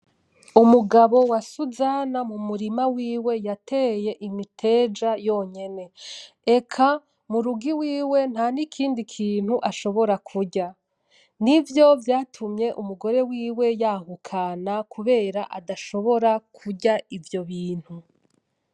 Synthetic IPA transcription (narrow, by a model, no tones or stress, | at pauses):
umuɡaβo̞wasuzaːnamumuɾimawiːwe̞jatʰe̞ːje̞ʔimitʰe̞ːd͡ʒajo̞ɲe̞ne̞ | ekʰa | muɾuɡiwiːwe̞n̥hanikʰiːndikʰiːn̥huʔaʃo̞βo̞ɾakʰuɟa | nivjo̞vjaːtʰumɲe̞ʔumuɡo̞ɾe̞wiːwe̞jaːhukʰanakʰuβe̞ːɾaʔadaʃo̞βo̞ɾakʰuɟaivjo̞βiːn̥hu